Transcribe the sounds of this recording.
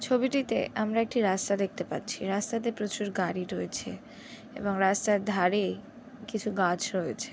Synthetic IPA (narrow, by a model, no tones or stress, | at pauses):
t͡ɕʰobiʈit̪ḛʔamɾaek̚ʈiɾast̪ad̪ek̚ʰt̪epa̰tːɕʰiɾast̪at̪̬epɾot͡ɕuɾɡaɾiɾoet͡ɕʰe | ḛboŋɾast̪aɾd̪ʱaɾej | kit͡ɕʰuɡat͡ɕʰɾoet͡ɕʰe̥